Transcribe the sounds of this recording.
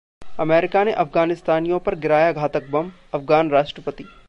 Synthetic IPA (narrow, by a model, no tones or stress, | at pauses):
ɐmɛːɾɪkaneʔɐfɡaːnɪst̪aːnijõpɐɾɡɪɾaːjaɡʱaːt̪ək̚bɐ̃m | ɐfɡaːnɾaːʃʈɾəpət̪iː